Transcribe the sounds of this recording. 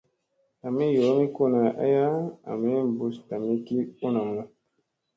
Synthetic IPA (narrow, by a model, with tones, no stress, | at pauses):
a˨mi˦jo˨˦mi˦ku˦˨na˨ʔa̰˦ja˦a̰˨mi˦˨bu˨sta˨mi˦ki˦u˦na˨mu˦